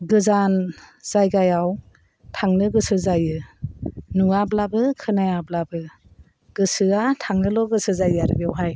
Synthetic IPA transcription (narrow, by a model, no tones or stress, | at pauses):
ɡɯzanz̥ajɡajaw | tʰaŋnɯɡɯsɯzajɯ | nuablabɯkʰɯnajablabɯ | ɡ̥ɯsɯatʰaŋnɯlɔɡɯsɯzajaɾɯbiawɦaj